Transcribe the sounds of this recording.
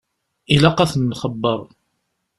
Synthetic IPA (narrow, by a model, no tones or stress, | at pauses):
ilaqɑθənːχəbːəɾˤ